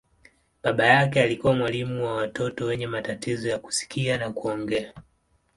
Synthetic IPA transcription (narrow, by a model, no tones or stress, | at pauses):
ɓaɓajakɛalikuwamwalimuwawatɔtɔwɛɲɛmatatizɔjaku̥si̥kianakuɔŋɡɛa